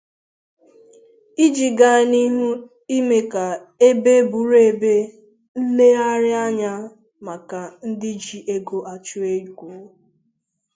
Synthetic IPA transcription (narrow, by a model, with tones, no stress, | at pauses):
i˦d͡ʒi˨ɡa˨ni˦ɦu˦ | i˦me˦ka˨ | e˦be˦bu˨ɾe˨be˦ | n̩˦le˦a˦ɾɪ˦a˦ɲa˦ | ma˨ka˨n̩˦dɪ˦d͡ʒi˨ʔe˦ɡo˨a˨t͡ʃu˦e˦˨kʷu˨˦